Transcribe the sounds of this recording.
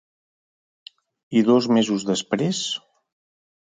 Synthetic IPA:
iðɔzmezuzðəspɾes

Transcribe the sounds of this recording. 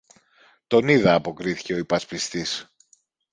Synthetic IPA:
t̪o̞niðɐːpo̞kɾiθi̥ce̞o̞ipɐspist̪is

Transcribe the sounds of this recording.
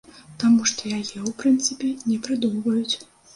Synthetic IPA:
t̪amuʂt̪ɔjajɛupɾɨnt̪sɨpʲɛnʲɛpɾɨd̪umvɐjut͡sʲ

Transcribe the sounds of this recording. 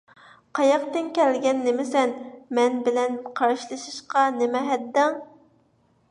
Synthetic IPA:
qʰɑjɑqt̪ɪnkʲʰɛlɡʲɛnːemɪsɛnmɛnbɪlɛnqʰɑɾɑʃlˠɨʃɨʃqɑnɪmɛɦɛd̪ːɛŋ

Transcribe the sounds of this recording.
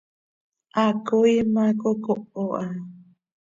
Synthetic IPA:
ʔakoimãkokoʔoʔa

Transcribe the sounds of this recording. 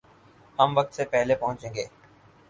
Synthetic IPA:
ɦəmʋək̚t̪sepɛɦlepɐɦʊ̃t͡ʃẽːŋɡeː

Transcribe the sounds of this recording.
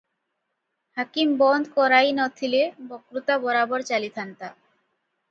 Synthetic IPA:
hakimbɔnd̪kɔɾajnɔt̪ʰilebɔkɾut̪abɔɾabɔɾt͡ɕalit̪ʰant̪a

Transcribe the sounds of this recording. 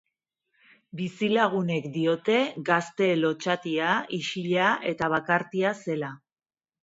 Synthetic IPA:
bisilaɣ̞une̞kd̪io̞t̪e̞ɡast̪e̞lo̞t͡ʃat̪iaiʃiʎaʔe̞t̪aβakaɾt̪iase̞la

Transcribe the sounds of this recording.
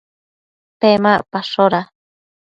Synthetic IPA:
pemapaʂoɾa

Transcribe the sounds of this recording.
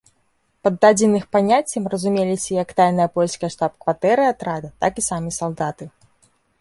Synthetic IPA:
pɐd̪ːad͡zʲɪnɨxpanʲat͡sʲːɐmrɐzumʲelʲisʲɐjɐkt̪ajnɐjɐpɔlʲskɐjɐʂt̪ap̚kvat̪ɛɾɨat̪ɾad̪ɐt̪akisamʲisalˠd̪at̪ɨ

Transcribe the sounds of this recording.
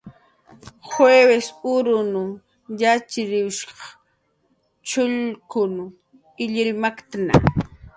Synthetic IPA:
xwewesʊɾʊnʊ | jat͡ʃɪɾɪʃɑ̥χ | t͡ʃʊʎkʊn | ɪʎɪɾmakt̪ana̰

